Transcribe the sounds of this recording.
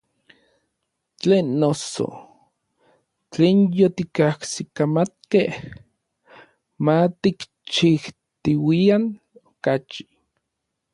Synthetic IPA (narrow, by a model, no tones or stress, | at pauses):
t͡ɬeːnːoso̰ | t͡ɬeːnjot̪ikahsikamat̪̚keh | mat̪ik | t͡ʃiht̪iwian | okat͡ʃi̥